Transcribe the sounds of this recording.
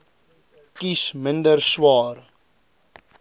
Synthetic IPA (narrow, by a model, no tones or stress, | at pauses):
kisməndərswɑːr